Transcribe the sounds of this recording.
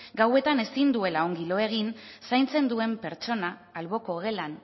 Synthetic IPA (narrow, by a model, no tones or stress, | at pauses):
ɡawe̞t̪ane̞sind̪ue̞lao̞ŋɡilo̞e̞ɣ̞insajnt͡se̞nd̪ue̞mpe̞ɾt͡ʃo̞naːlβo̞ko̞ɣ̞e̞lan